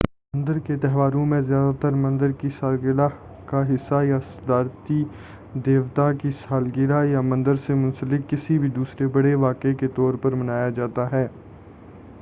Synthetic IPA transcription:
mɐ̃nd̪əɾket̪ɛɦʋaːɾõmẽzjaːd̪at̪əɾmɐ̃nd̪əɾkisaːlɡɪɾa | kaɦɪsːajasɐd̪aːɾt̪i | d̪eːʋt̪akisaːlɡɪɾajamɐ̃nd̪əɾsemʊ̃nsəlɪkːɪsibʱid̪uːsɾebɐɽeʋaːkeket̪ɔːɾpɐɾmɐnaːjad͡ʒaːt̪aɦɛː

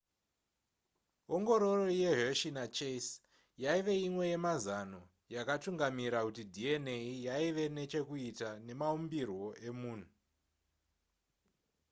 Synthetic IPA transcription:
oŋɡo̞ɾoro̞je̞ɦeʃinat͡ʃes | jaiʋe̞imwe̞je̞mazano̞ | jakatuŋɡamiɾakutidʱie̞ne̞ijaiʋe̞ne̞t͡ʃe̞kuitane̞maumbirwo̞ʔe̞muːn̤u

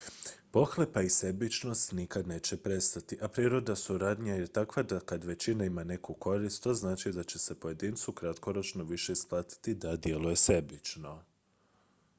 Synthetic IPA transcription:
po̞xle̞paise̞bit͡ʃno̞st̪nikad̪ne̞ːt͡ʃe̞pɾe̞st̪at̪iʔapɾiɾo̞d̪asuɾaːd̪ɲaje̞t̪akʋad̪akad̪ʋe̞t͡ʃinaimane̞kuko̞ɾist̪t̪o̞znaːt͡ʃid̪at͡ɕe̞se̞po̞je̞d̪iːnt̪sukɾat̪ko̞ɾo̞t͡ʃno̞ʋiʃe̞isplˠaːt̪i̥t̪id̪ad̪je̞luje̞se̞bit͡ʃno̞

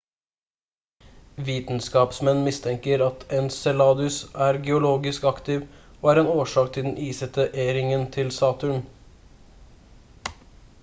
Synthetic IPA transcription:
ʋiːt̪n̩skɑːpsmɛnːmɪst̪ʰɛŋkəɾɑt̪ɛnsɛlɑːd̪ʉsæːɾɡɛʊloːɡɪskɑkt̪ɪːʋoːæːɾeːnoːʂɑːkt̪ʰɪld̪ɛnʔiːsət̪əʔeːɾɪŋənt̪ʰɪlsɑːt̪ʉɳ

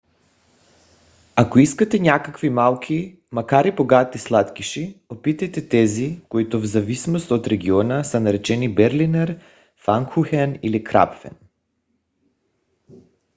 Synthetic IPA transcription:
akoiskat̪ɛɲakakvimalˠkʰʲi | makaɾiboɡat̪islˠat̪kiʃiopit̪ajt̪ɛt̪ɛzikoit̪ovzavisnost̪ot̪ɾɛɡiɔnasanaɾɛt͡ʃɛnibɛɾlinɛɾ | faŋkxuxɛnilikɾa̰pfɛ̰n

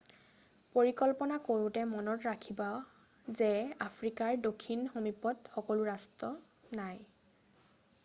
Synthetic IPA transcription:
poɹikɔlpɔnakoɹʊtɛmɔnɔtɹakʰiba | zɛapʰɹikaɹdokʰːinxomipɔtxɔkɔlʊɹastɔ | naj

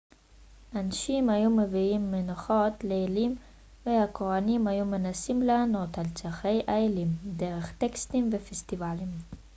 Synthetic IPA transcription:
ʔanaʃimajumeviimːenaχot̪leelim | vehakʰoʁanimhajume̞nasimlaːno̞t̪alt͡saχejʔaelimdeʁeχt̪ekst̪imvefest̪ivalim

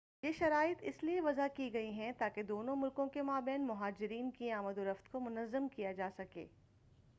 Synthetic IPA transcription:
jeːʃɐɾaːɪt̪ɪslieʋɐzakiɡɐiɦɛ̃t̪aːked̪oːnõmʊlkõkemaːbɛːnmʊɦaːd͡ʒɪɾiːnkiaːməd̪oɾɐft̪komʊnəzːəmkijad͡ʒaːsɐkḛː

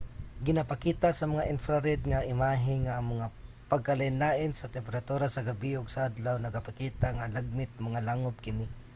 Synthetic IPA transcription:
ɡɪnapakiːt̪asɐmɐŋaʔɪnfɾaɾɛd̪̚ŋaʔɪmaːɦɪŋaʔːŋmɐŋa | pɐɡ̚kalaɪnlaːʔɪnsɐt̪ɛmpɛɾat̪uːɾasɐɡabiʊɡsaʔad̪lawnɐɡapakiːt̪aŋalaɡ̚mɪt̪̚mɐŋalaŋʊb̚kɪnɪ

